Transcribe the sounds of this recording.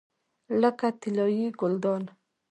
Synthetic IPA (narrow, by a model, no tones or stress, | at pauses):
ləkat̪ɪlɑjiɡʊld̪ɑn